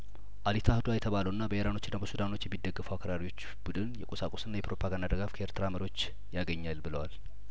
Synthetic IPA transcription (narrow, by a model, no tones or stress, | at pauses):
ʔalit̪ʰahɨd̪uajɛt̪ʰəβaləwɨnːabəeɾano̞t͡ʃːɪnːabəsud̪ano̞t͡ʃːjɛmːid̪ːəɡːəfuwakʰəɾaɾiwo̞t͡ʃː | b̥ud̪ɨnjɛkʼosakʼosɨnːajɛpɾo̞pʰaɡand̪ad̪əɡafkʰʔeɾt̪ʰɨɾaməɾjwo̞t͡ʃː | jaɡəɲːalbɨləwal